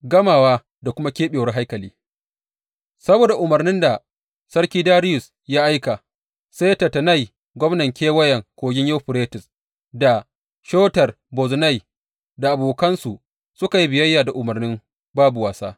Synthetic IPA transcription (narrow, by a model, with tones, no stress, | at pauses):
ɡɐ˦maː˨waː˦ | da˨kʷʊ˦ma˦kʲeː˦ɓeː˨wɐ˦ɦa˦jkɐ˨liː˦ | sɐ˦boː˨da˨ʔʊ˨mɐ˨rnɪ˦nda˨ | sɐ˦rkʲiː˦daː˦ɾɪ˦jʊ˨s | ja˦ʔa˦jka˨ | seː˦tɐ˨tɐ˨na˦˨j | ɡʷɔ˦mnɐ˨ŋkʲeː˦wɐ˦jɐ˨ŋkʷoː˨ɡʲɪ˦ɲjo˦ɸʊ˨ɾeː˦tɪ˨s | da˨ | ʃoː˦tɐ˨r | bɔ˨zna˦˨j | da˨ʔa˨boː˨kɐ˦nsu˨ | sʊ˦ka˨ji˦bɪ˨jɐ˦jːaː˨da˨ʔʊ˨mɐ˨rnɪ˦m | baː˦bu˨waː˨sa̰ː˦